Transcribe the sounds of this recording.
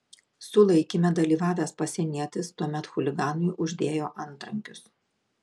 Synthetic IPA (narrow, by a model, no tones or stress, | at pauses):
sʊlˠɐɪkʲimʲɛd̪ɐlʲiːʋɑːʋʲæːspɐsʲiɛnʲiɛt̪ʲɪst̪uɔmʲɛt̪xʊlʲɪɡɑːnʊɪʔʊʒʲd̪ʲeːjoːʔɐnˑt̪ɾɐŋʲkʲʊs